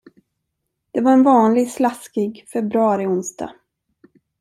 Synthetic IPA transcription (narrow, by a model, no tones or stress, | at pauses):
d̪̥ɛvaɾɛnvɑːnlɪɡslaskɪɡfɛbɾɵɑɾɪʊnst̪ʰɑ̰